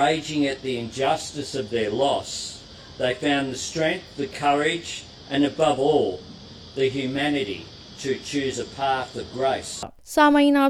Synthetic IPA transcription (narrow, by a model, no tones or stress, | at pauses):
eɪd͡ʒɪ̃ŋɨt̪̚ðiɨ̃nd͡ʒʌstɨsʌvðə˞lɔs | ðeɪfãʊ̃nðɨstɹ̥ɛ̃ŋk̚θðɨkʰʌɹɪd͡ʒ | ʔɨ̃nɨbʌvɔlˠ | ðɨɦjʉmænɨɾḭ | ɾɨt͡ʃʰʉzɨpʰæθʌvɡɹeɪs | saməina